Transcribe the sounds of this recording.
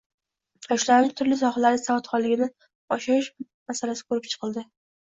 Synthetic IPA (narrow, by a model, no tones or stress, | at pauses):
ɒʃlaɾɪnɪt̪ʰʊɾlɪs̬ɒχalaɾɪsavat̪χɒnlɪɡʲɪnɪ | ɒʃɪɾɪʃ | masalasɪ̥kʰɵɾɪp̚t͡ʃʰɨ̥qʰɨlˠd̪ɪ